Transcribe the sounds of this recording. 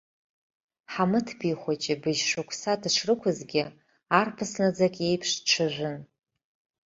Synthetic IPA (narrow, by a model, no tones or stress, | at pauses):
ħamɨtʰbiχʷat͡ʃʼɪbɨʒʂukʷʰsadʈ͡ʂʰrɨkʷʰʊzɡʲɪ | arpʰɨsnad͡zakʼe̞jpʰʂʈ͡ʂʷʰɨʒʷʊn